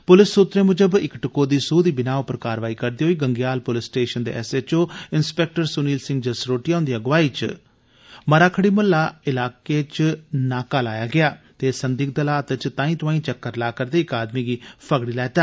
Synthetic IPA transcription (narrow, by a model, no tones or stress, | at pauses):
pʊlɪsːuːt̪ɾeːmʊd͡ʒəbɪkʈəkoːd̪iːsuːd̪iːbɪnaːopəɾkaːɾʋaːiːkəɾd̪iːɦoːiːɡəŋɡjaːlpʊlɪsʈeːʃənd̪ḛːʔɛ̰seːt͡ʃoːɪnspɛːk̚ʈəɾsʊniːlsɪ̃ŋɡd͡ʒəsɾoːʈiːaːʊnd̪iːəɡʋaːiːt͡ʃ | məɾaːkʰəɽiːmʊlːaːɪlaːkeːt͡ʃnaːkaːlaːjaːɡɪaːt̪eːsənd̪iːk̚d̪əlaːt̪t͡ʃt̪ãːĩːt̪ʊʋaːĩːt͡ʃəkːəɾlaːkəɾd̪eːɪkaːd̪miːɡiːpʰəɡɽiːlɛːt̪aː